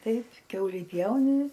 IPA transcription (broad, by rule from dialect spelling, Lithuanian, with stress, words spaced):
ˈtɐɪp ˈkʲɛʊlʲiː ˈpʲjɛʊnʲɪ